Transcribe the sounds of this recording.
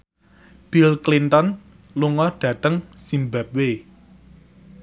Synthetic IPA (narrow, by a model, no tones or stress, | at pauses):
b̥ilklint̪ɔn | luŋɔɖ̥ä̤t̪əŋsimbap̚we